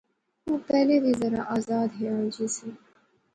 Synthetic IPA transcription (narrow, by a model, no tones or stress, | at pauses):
ũːpɛːlebʱizɐɾã̰ʔaːzaːd̪ɦeaːld͡ʒisĩ